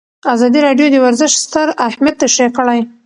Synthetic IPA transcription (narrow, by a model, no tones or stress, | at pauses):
azɑd̪iɾɑɖjod̪əwaɾzəʃst̪əɾahmad̪̚t̪aʃekəɽaj